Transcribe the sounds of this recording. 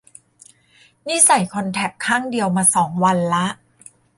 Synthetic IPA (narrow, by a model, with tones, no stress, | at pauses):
niː˥˩sa˨˩jkʰɔ˧nt̪ʰɛ˨˩p̚kʰaː˥˩ŋdi˧əwmaː˧sɔː˩˦ŋwa˧nla˦˥ʔ